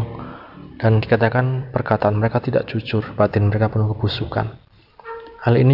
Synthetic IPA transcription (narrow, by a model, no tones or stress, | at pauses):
ŋd̥andikat̪akanpərkat̪aanməɾekat̪ida̰ʔd͡ʒut͡ʃʊrb̥at̪ɪnməɾekapʊnkəbusuka̰n | halini